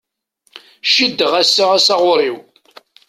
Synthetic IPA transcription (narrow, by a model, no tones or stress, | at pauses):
ʃid̪ːəʁæsːaʁæsaʁʊɾˤiw